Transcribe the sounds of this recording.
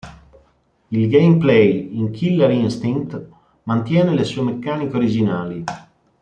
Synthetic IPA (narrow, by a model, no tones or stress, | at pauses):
ilɡejmplɛjiŋkʰilːaɾiinst̪iŋkt̪ | mant̪jɛːnelesuːemekːaːnikeoɾid͡ʒinaːli